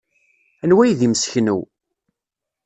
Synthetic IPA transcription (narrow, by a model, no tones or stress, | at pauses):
ænwæjðiməsçnṵw